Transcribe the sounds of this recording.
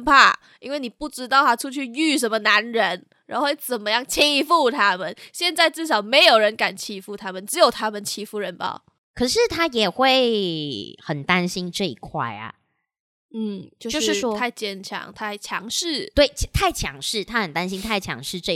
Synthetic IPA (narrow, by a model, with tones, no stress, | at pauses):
pʰa˥˩ | i˥nwe˥˩ɪni˨˩pu˥˩ʈ͡ʂɻ̩˥t̪̬ɑ˥˩ʊt̪ʰa˥ʈ͡ʂʰu˥˧t͡ɕʰy˥˧y˥˩ʂ̬ə˧˥nmə˧na˧˦nɻə˧˦n | ɻa˧˥o˥wt͡sə˨˩nmə˦jɑ˥˩ŋt͡ɕʰi˥fu˥˩t̪ʰa˥mə˨nɕjɛ˥˧nt͡sa˥˧ɪt͡sɻ̩˥˩ʂ̬ɑ˨˩˦ʊme˧˥ɪjo˨˩ʊɻə˧˦nka˨˩nt͡ɕʰi˧˥fu˥˩t̪ʰa˥mə˨nʈ͡ʂɻ̩˧˦˥jo˨˩ʊt̪ʰa˦˥mə˨nt͡ɕʰi˧˥fu˥˩ɻə˧˦npɑ̰˨˩ | kʰɤ˨˩ʂɻ̩˥˨t̪ʰa˥jɛ˨˩xwe˥˩ɪ | xə˨˩nt̪a˦nɕi˥nʈ͡ʂɤ˥˧kʰwa̰˥˩ɪa̰˩ | n̩˥˩t͡ɕjo˥˧ʊo˥˧˥ɻ̩˥˧t̪ʰa˥˧ɪt͡ɕjɛ˥˩nt͡ɕʰjɑ̰˧˥ŋt̪ʰa˥˩ɪt͡ɕʰjɑ̰˧˥ŋʂɻ̩˥˩t̪we˥˩ɪt͡ɕʰt̪ʰa˥˩ɪt͡ɕʰjɑ̰˧˥ŋʂɻ̩˥˩t̪ʰa˦xə˨˩nt̪a˦nɕi˥ŋt̪ʰa˥˩ɪt͡ɕʰjɑ̰˧˦˥ŋʂɻ̩˥˧ʈ͡ʂə˥˩